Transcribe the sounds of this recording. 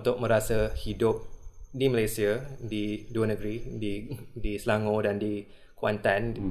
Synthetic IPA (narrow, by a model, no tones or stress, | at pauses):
t̪ʊk̚mə̃ɾasəhidʊp̚diməlajsiadiduənəɡɾididislaŋodandi | kwa̰nt̪an